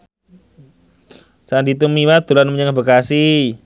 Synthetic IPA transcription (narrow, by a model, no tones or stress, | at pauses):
sandit̪umiwat̪ulanməɲaŋabəkasi